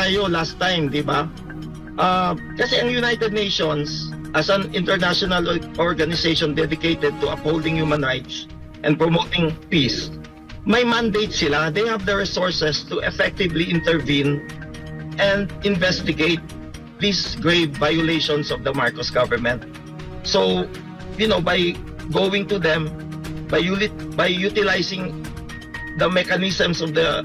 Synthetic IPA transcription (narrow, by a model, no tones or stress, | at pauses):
tajolast̪ːãjmd̪ɪba | ʔa | kɐsɛɐŋjʊnajt̪ɛd̪̚nejʃonsʔɐsɐnɪ̃nt̪ɛɹnaʃɔnɐlʔɔɹɡɐnɪsejʃɔ̃nd̪ɛd̪ɪkejt̪ɛd̪̚t̪ʊɐphowld̪ɪ̃ŋjumɐ̃nɹajt̪s | ʔɛ̃n̚pɹɔmoːt̪ɪ̃ŋpis | mɐjmand̪ejt̪sɪlad̪ejhɐvd̪əɹɪsɔɹsɛst̪ʊʔɛfɛk̚t̪ɪvliʔɪ̃nt̪ɛɹvĩn | ʔɛ̃nd̪ɪ̃nvɛst̪ɪɡejt̪̚ | d̪isɡɹeɪvvajʊleʃɔ̃nsɔvd̪ɐmaɹkɔsɡavəɹmɛ̃nt̪̚ | so | jʊnowbaj | ɡowɪ̃ŋt̪ud̪ɛ̃m | bajbajːut̪ɪlajsɪ̃ŋ | d̪ɐmɛkanɪsɛ̃msɔvd̪ɐ